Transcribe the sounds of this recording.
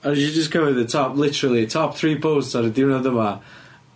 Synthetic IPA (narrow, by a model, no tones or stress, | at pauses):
əəd͡ʒəskʰəvɪðətʰɔplˠɪtəɹəlˠitʰɔp̚θɹiːpʰoʊstsaɾədɪnaðəma